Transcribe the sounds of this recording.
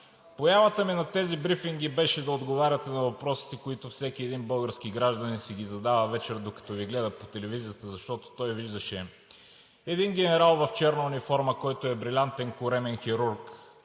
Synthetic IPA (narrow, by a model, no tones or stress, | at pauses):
pojavət̪əminɐt̪ɛzibɾifiŋɡ̟ibɛʃɛd̪ɐod̪ɡovaɾʲɐt̪ɛnɐvɐpɾɔsi̥t̪ɛkoit̪ofsɛk̟ʲiɛd̪inbɤlˠɡəɾskiɡɾaʒd̪ɐninsɛɡ̟ʲizɐd̪avɐvɛt͡ʃɛɾd̪okɐ̥t̪ɔviɡlɛd̪əpot̪ɛlɛvizijət̪əzɐʃt̪ɔt̪o̥t̪ɔjviʒd̪əʃɛ | ɛd̪inɡɛnɛɾalˠvɐft͡ʃɛɾnɐunifɔɾməkɔjt̪oɛbɾilʲant̪ɛnkʊɾɛmɛnxiɾuɾk